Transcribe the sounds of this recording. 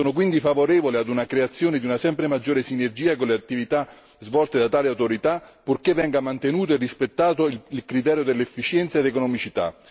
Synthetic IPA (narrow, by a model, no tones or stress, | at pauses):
soːnok̬wind̪ifavoɾɛːvolead̪unakɾeat̪sːjoːned̪iunasɛmpɾemad͡ʒːoːɾesinerd͡ʒiːakonleat̪ːivit̪a | zvɔlt̪ed̪at̪aːleawt̪oɾit̪apːurkevːɛŋɡamant̪enuːt̪oerːispet̪ːaːt̪oillkɾit̪ɛːɾjod̪elːɛfːit͡ʃjɛnt̪saed̪ekonɔmit͡ʃit̪a̰